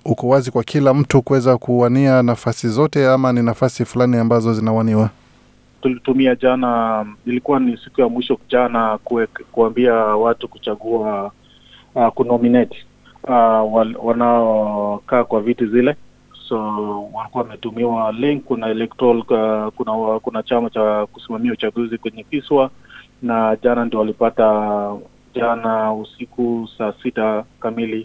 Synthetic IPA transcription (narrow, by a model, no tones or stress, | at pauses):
hukɔwazikwakʰilam̩tukuwɛzakuwanianafasizɔtɛamaninafasifulaniambazɔzinawaniwa | tulitumiaʄananilikuwanisi̥kujamwiʃɔʄanakuɛkuwambiawatuku̥t͡ʃaɠua | kunɔminɛti̥ | awanaɔkaːkwavitizilɛ | sɔwalikuawamɛtumiwaliŋkkunaɛlɛktɾalkunakunat͡ʃamat͡ʃaku̥simamiaut͡ʃaɠuzikwɛɲɛkiswa | naʄanandiɔwalipata | ʄanausikusaːsitakamili